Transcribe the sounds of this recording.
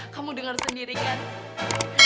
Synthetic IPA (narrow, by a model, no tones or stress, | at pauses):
kamudəŋərsəndiɾikan